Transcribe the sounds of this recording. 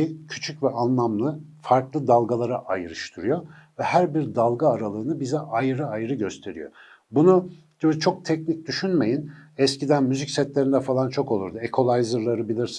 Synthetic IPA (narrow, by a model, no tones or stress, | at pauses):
icʰy̥t͡ʃʰycvɛʔanlˠamlˠɯfaɾklˠɯd̪alˠɡalˠaɾaʔajɯɾɯʃt̪ʰɯɾujo̞ | vɛhæɾbiɾd̪alˠɡaːɾalˠɯːɯnɯbizɛʔajɯɾɯajɯɾɯɟø̞st̪ʰe̞ɾijo̞̰ | bunu | d̥̪oɾt͡ʃʰo̞k̚t̪ʰɛcnic̚d̪yʃynme̞jinɛscid̪ænmyzicsɛt̪lʲe̞ɾind̪ɛfalˠant͡ʃʰo̞ko̞lˠuɾd̪uekʰo̞lˠajzɯɾlˠaɾɯbilʲiɾs